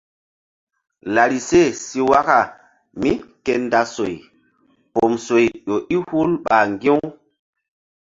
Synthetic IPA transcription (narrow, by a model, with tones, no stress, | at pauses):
la˨ɾi˨se˦˨si˦wa˦ka˨ | mi˦ke˨nda˨so˨j | po˨mso˨jɗo˨ʔi˦hu˦lɓa˨ŋɡĩ˦